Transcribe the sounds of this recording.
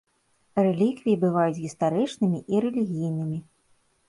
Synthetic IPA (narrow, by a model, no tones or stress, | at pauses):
rɛlʲikvʲijibɨvajut͡sʲɣʲist̪aɾɨt͡ʂnɨmʲiʔiɾɛlʲiɣʲijnɨmʲi